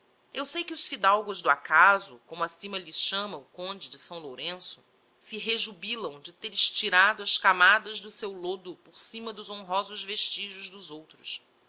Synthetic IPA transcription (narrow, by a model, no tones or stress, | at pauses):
ewsejkɪʊsfid̪awɡʊzd̪ʊakazʊkõmʊɐsĩmɐʎɪsʃɐ̃mɐʊkõnd͡ʒɪd͡ʒɪsɐ̃w̃loɾẽsʊ̥ | sɪɦeʒubilɐ̃w̃d͡ʒɪt̪eɾɪʃt͡ʃiɾad̪ʊɐskamad̪ɐzd̪ʊsewlod̪ʊpoɾsĩmɐd̪ʊzõɦɔzʊzveʃt͡ʃiʒʊzd̪ʊzowt̪ɾʊs